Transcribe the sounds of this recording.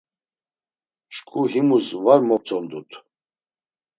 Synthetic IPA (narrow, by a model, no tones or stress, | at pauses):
ʃkʼuɦimusvaɾmɔp̚t͡sʼɔnd̪ut̪ʰ